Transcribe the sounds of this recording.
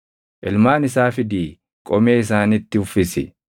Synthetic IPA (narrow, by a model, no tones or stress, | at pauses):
ʔɪlmaːnɪsaːfɪd̪iː | kʼɔmeːɪs̬aːnɪt̪ːɪʊfːɪsɪ̰